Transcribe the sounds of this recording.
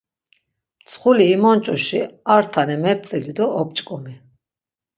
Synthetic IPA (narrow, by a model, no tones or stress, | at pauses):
mt͡sʰχuliːmɔnt͡ʃʼuʃiaɾt̪ʰanɛmɛp̚t͡s̪ʼilid̪ɔːp̚t͡ʃʼkʼumi